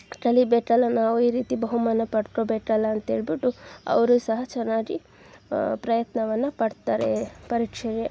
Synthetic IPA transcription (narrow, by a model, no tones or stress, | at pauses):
ʈɐlibeːʈːɐlːɐnaːʋuiːɾiːt̪ibɐɦumaːnɐpɐɽʈɾoːbeːʈɐlːɐːnt̪ɐɦeːɭbiʈːuɐ̰ʋɐɾuːsɐɦɐt͡ʃɛnːaːɡi | pɾɐjɐt̪nɐʋɐnːɐpɐɽt̪aːɾepɐɾiːkʂɐɾje